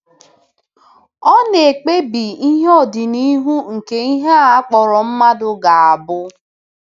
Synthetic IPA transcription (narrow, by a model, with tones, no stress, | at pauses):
ɔ˦ne˨k͡pe˦bi˨i˦ɦɔ˦˨dɪ˨ni˦ɦu˦ŋ̩˨ke˨i˦ɦe˦a˦a˦k͡pɔ˨ɾɔ˨m̩˦ma˦dʊ˨ɡa˨a˨bʊ˦